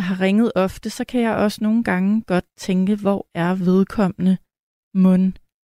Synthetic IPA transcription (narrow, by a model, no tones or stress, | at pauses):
ɦɑ̈ʁɛŋð̞̩ˠɒ̽fd̥əsɒ̽kʰæjɑ̈ɪʔɒ̽səno̝ːn̩ɡ̥ɑ̈ŋəɡ̥ɒ̽d̥̚t͡sʰeŋɡ̥əʋɒæɐʋe̝ð̞ˠkʰɒ̽m̰ənə | mɔn